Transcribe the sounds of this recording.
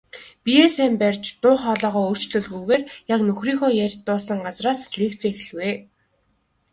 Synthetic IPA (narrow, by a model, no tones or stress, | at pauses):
pijeːsæːmpærʲt͡ɕt̪ʊːχɔːɮɔːʁɔːɵr̥t͡ɕɮɵ̆ɮɣujɣeːrjaknɵxriːŋxoːjærʲt̪ːʊːsə̆ɴɢat͡sraːsɮeːkt͡seːx̆ɮweː